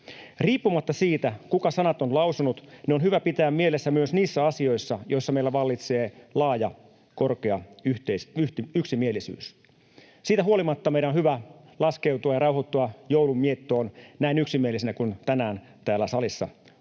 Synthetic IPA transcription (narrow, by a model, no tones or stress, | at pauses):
riːpːumɑt̪ːɑsiːt̪ækukɑsɑnɑt̪onlɑwsunut̪neo̞nɦyʋæpit̪æːmmie̞lesːæmyøsniːsːæɑsio̞isːɑjo̞isːɑmeilːæʋɑlːit̪se̞ːlɑːjɑ | korkeɑyt̪esyht̪iyksimielisy̰ːs | siːt̪æɦuolimɑt̪ːɑmeiɾænonhyʋælɑskewt̪uɑjɑrɑwhot̪ːuɑjoulumːiet̪ːoːnnæinyksimielːˑisinækunt̪ænæːn | t̪æːlːæsɑlisːɑ̰